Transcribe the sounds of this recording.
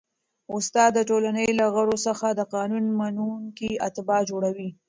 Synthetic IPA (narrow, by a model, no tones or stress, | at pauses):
ʊst̪ɑd̪ːəʈolanəjlaɣaɽosəxad̪əqɑnunmanunkiat̪ɪbɑd͡ʒoɽawi